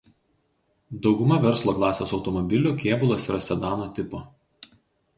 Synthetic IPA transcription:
d̪ɒʊɡʊmɐʋʲɛɾslˠoːklˠɑːsʲesɒʊt̪ɔmɔbʲɪlʲuːˑkʲeːbʊlˠɐsiːɾɐsʲɛd̪ɑːnoːt̪ʲɪpoː

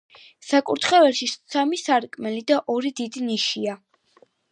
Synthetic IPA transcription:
sakʼṵɾt̪ʰχɛvɛɾʃisamisaɾkʼmɛlid̪aʔɔɾid̪id̪iniʃia

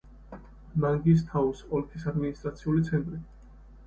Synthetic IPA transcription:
maŋɡis̬t̪ʰausɔlkʰisad̪minist̪ʼɾat̪sʰiulit̪sʰɛnt̪ʼɾi

